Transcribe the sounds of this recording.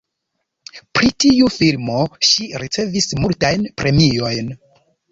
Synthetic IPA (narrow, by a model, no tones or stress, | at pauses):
pɾitiufilmo̞ʃiɾit͡se̞vismultajnpɾe̞mio̞jn